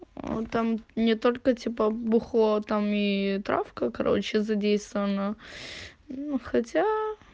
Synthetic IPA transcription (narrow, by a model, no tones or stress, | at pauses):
o̰t̪amnʲɪt̪olʲkətʲipəbʊxlˠot̪amit̪ɾa̰fkəkɐɾo̞̰t͡ɕɪzɐdʲejst̪əvənə | xɐtʲa